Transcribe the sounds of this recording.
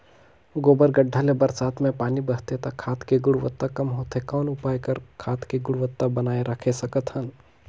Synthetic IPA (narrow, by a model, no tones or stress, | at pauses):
ɡoːbəɾɡəɖʱːalebəɾsaːt̪mẽpaːnibəɦt̪et̪ɐkʰaːt̪keɡʊɽʋət̪ːakɐmɦoːt̪ekaːnʊpaːjkəɾkʰaːt̪keɡʊɽʋət̪ːabənaːeɾəkʰesɐkət̪ɦən